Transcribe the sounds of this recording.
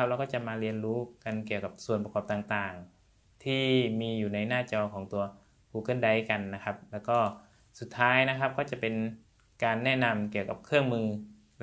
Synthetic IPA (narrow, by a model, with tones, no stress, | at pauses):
a˧˥p̚lɛː˧˩kɔː˥˩t͡ɕa˨˧˩ʔmaː˧li˧ənluː˦˥ka˨nki˨˩əwka˨˧˦p̚su˨˩ənpa˧kɔː˧˩p̚t̪aː˨˩ŋt̪aː˨˩ŋ | t̪ʰiː˥˩miː˧juː˨˩na˧˥jnaː˥˩t͡ɕɔː˧kʰɔː˩˦ŋt̪u˧ɐ | pʰuː˧˩kɤː˧˥˨nda˨˦jka˨˩nːa˦˥kʰa˦˧˥p̚lɛː˧˩wkɔː˧˥˩ | su˨˩t̪ʰːaː˦˥jna˧˥kʰa˧˥p̚kɔː˥˩t͡ɕa˧˩˨pe˨n | kaː˨nːɛː˥˩na˧mki˨˩əwka˧˦p̚kʰɯ˥˩əŋmɯː˧